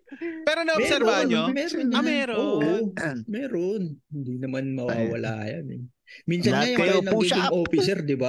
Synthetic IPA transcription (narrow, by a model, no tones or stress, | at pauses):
pɛːɾonɐmsɛɾanomɛːɾonɛɾoːʔomɛːɾonhɪnd̪inɐmanmɐwaːwɐ̰la̰ːjɐnɛ̰ | miːnsɐɐjɐŋnɐkit̪ɪŋʔoːfɪsɛɾd̪ɪba